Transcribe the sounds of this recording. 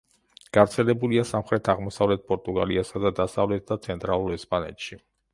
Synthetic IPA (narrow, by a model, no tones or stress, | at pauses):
ɡ̥avɾt̪sʰɛlɛbuliasamχɾɛt̪ʰaʁmɔsavlɛt̪̚pʼɔɾt̪ʼuɡa̰liasad̪ad̪asavlɛt̪̚ʰd̪at̪sʰɛnt̪ʼɾalˠuɾɛspʼanɛ̰t̪ʰʃi